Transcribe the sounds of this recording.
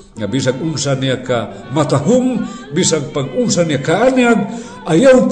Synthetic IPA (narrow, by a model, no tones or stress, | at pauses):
ŋabis̬aŋʊnsaniaka | mat̪aɦʊm | bisaŋpaɡʊnsaniakaanjaɡ̚ | ʔajaw